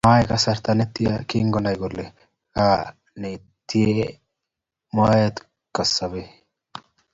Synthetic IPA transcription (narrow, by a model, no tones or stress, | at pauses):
maːjɛkɐsɐɾt̪ɐnɛt̪ːɪjɐkiːŋɡɔnɐjɡɔlːɛ | kaː | ne | t̪ːɪje | maːjet̪ | kːɐsːɐbɛ